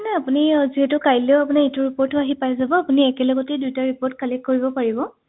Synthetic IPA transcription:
nɛapuniziɦɛtʊkajleʊapunaetuɹipɔɹtːʊaɦipajzabɔapuniɛkɛlɔɡɔtedujtaɹipɔɹt̚kalɛkkoɹibɔpaɹibɔ

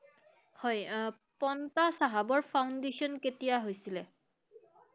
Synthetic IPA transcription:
hɔj | pɔntasaɦabɔɹpʰawndesɔnketijaɦojsilɛ

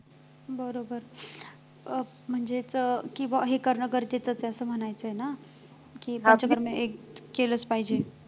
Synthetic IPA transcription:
bəɾobəɾ | m̤əɳd͡zet͡skiʋəɦekəɾɳəɡəɾd͡ʑet͡sət͡seəsəm̤ənajt͡səɦena | kipə̃t͡ɕəɡəɾmeekkeləspaɦid͡ʑe

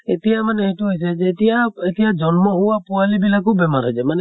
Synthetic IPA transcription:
et̪ijamanɛetuɦojs̬ɛd͡ʒɛːt̪ijaet̪ijad͡ʒɔnmɔɦuwapɔalibilakubɛmaɾɦɔjsɛmanɛ

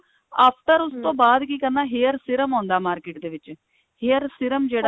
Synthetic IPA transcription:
aːpʰʈəɾʊst̪õːbaːd̪kiːkəɾnaːɦeːəɾsɪɾəmãːnd̪aːmaːɾkɪːʈd̪eːʋɪt͡ʃ | hejəɾsɪɾəmd͡ʒeːɽa

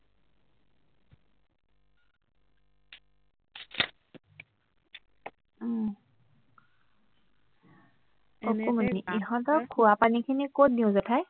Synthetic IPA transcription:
ɔkumaniʔiɦɔtɔkʰuapanikʰinikot̚diʊ̃zɔtʰaj

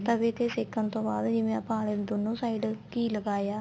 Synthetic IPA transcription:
t̪əbeːt̪eːsɪkʰːənt̪õːbaːd̪d͡ʒɪʋẽɐpãːleːd̪onːõːsaːiɖkiːləɡaːjaː

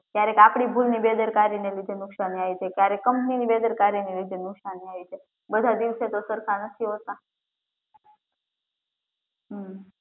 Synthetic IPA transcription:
kjaɾekapɽ̃ibʱulnibed̪əɾkaɾinelid̪ʱenuksaniajt͡ʃekjaɾekːəmpəniniːbed̪əɾkaɾinelid̪ʱenuksanːiajt͡ʃe | bəd̪ʱad̪iʋset̪osəɾkʰanəsiɦot̪a | ɦə

